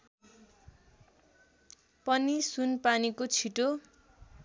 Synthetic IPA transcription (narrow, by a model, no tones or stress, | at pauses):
pʌnisunpanikot͡sʰiʈo